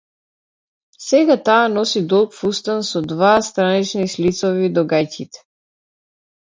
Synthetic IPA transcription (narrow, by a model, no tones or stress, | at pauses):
sɛɡat̪aːnɔsid̪ɔlˠkfust̪ansɔd̪vast̪ɾanit͡ʃnislit̪sɔvid̪ɔɡajcit̪ɛ̥